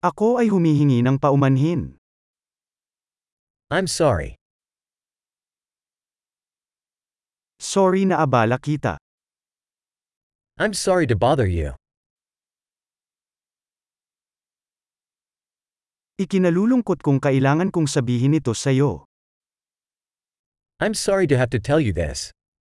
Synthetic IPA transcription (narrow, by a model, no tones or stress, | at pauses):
ʔɐko̞ʔɐjɦʊmiːɦɪŋinɐŋpɐʔʊmɐnɦɪn | ʔãɪ̃msɑɹḭ | soɹinɐʔɐbaːlɐkiːt̪ɐ̰ | ʔãɪ̃msɑɹiɾɨbɑðə˞jʉ̰ | ʔɪkɪnɐluːlʊŋkot̪̚kʊŋkɐʔɪlaːŋɐnkʊŋsɐbiːɦɪnɪt̪o̞sɐjo̞ | ʔãɪ̃msɑɹiɾɨɦæftɨtʰɛlˠjɨðɪ̰s